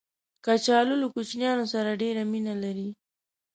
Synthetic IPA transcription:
kat͡ʃɑlʊlokut͡ʃnjɑnosaɾaɖeɾaminalaɾi

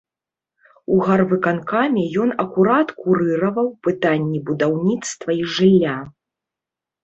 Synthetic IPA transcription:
uɣarvɨkankamʲɛjɔnɐkuɾat̪kuɾɨɾɐvɐwpɨt̪anʲːibud̪awnʲit̪st̪vɐiʐɨlʲːa

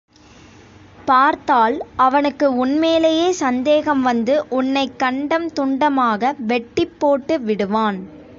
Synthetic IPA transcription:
paːɾt̪aːlɐʋɐnɯkːɯʊnmeːlejeːsɐnd̪eːɣɐmʋɐnd̪ɯʔʊnːɐɪkːɐɳɖɐmt̪ʊɳɖɐmaːɣɐʋɛʈːɪpːoːʈːɯʋɪɽɯʋaːn

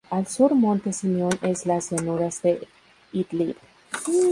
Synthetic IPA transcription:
alsuɾmont̪esimeoneslasjanuɾasd̪e | it̪liɾ

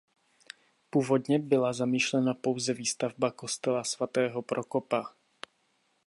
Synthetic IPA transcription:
puːvo̞d̪ɲɛbɪlazamiːʃlɛnapo̞wzɛviːst̪avbako̞st̪ɛlasvat̪ɛːɦopɾoko̞pa

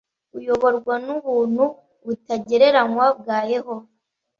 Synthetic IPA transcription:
ujo̞βo̞ɾɡwanuβuːn̥hu | βutaɟe̞ɾe̞ɾaŋwab̚ɡaːje̞ɦo̞

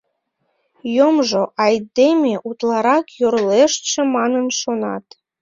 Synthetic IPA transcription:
jomʒoʔɑjd̪emeʔut̪lɑɾɑkjoɾleʃʃĕmɑnənʃonɑ̰t̪

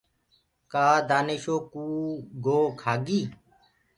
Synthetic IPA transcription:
kaːd̪aːneʃoːkuːɡoːkʰaːɡiː

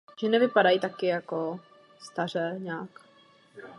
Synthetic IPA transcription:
ʒ̥ɛnɛvɪpadajit̪akɪjako | st̪ar̝ɛːɲaːk

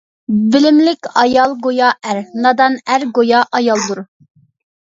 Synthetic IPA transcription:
bɪlɪmlɪkʲɑjɑlˠɡojɑæɾnɑd̪ɑnæɾɡojɑʔɑjɑlˠd̪uɾ

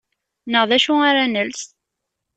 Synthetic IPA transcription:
nəʁðæʃuaɾænəls

